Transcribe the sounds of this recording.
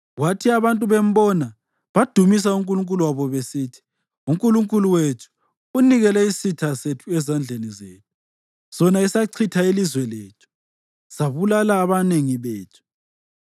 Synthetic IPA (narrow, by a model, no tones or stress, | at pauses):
watʰiaβantʼuβem̩bɔna | βad̥ʱumis̬auŋkʼuluŋkʼuluwaβɔβesitʰi̥ | uŋkʼuluŋkʼuluwetʰu̥ | uniɣɛlɛisitʰasetʰuɛzand͡ɮʱenizḛːtʰu̥ | sɔnaisaǀʰitʰailizwɛleːtʰu̥ | saβulalaːβaneŋiβeːtʰu̥